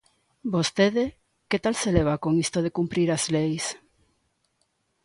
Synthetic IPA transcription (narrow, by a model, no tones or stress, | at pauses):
bost̪eðe | ket̪alseleβ̞akoŋist̪oð̞ekumpɾiɾazlejs